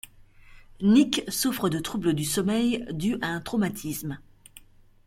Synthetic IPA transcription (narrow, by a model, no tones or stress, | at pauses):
niksufχəd̪ət̪χubləd̪ysɔmɛjd̪yʔaɛ̃t̪χomat̪ʰism